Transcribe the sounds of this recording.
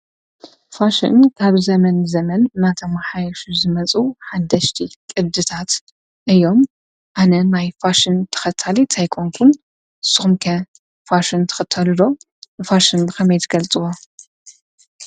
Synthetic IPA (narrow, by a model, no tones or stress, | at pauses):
faʃḭnkʰaβzɐmɐnzɐmɐnnat̪ʰomħajɐʃuzɨmɐt͡sʼuħad̪ɐʃt̪ʰikʼɨβd̪ɨt̪ʰat̪ | ʔɨjːo̞m | ʔanɐnajfaʃɨnt̪ʰɐ̥xɐt̪ʰːalit̪ʰajkʰoŋkʰun | ɨsːɨxumkʰɐ | faʃɪnt̪ʰɐ̥xɐt̪ʰːɐlud̪o̞ | ɨfaʃɨnbɨxɐmɐjt̪ʰɡ̥ɐlt͡sʼɨwo